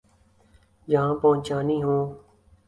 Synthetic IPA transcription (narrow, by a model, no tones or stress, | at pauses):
d͡ʒəɦãːpəɦʊ̃t͡ʃaːniːɦõː